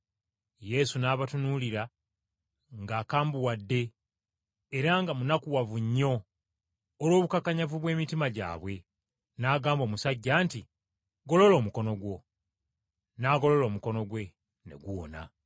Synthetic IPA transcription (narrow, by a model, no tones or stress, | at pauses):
je̞sunaːβatunuliɾa | ŋɡaːkaːmbuwadːe̞ː | ɾaŋɡamunakuwavuɲːo̞ː | lwo̞ːβukakaɲavuβwe̞ːmitimaɟa̰ːβwe̞ | naːɡaːmbo̞ːmusaɟːaːnti | ɡo̞lo̞lo̞ːmuko̞no̞ɡwo̞ | naːɡo̞lo̞lo̞ːmuko̞no̞ɡwe̞ | ne̞̰ɡuwo̰na̰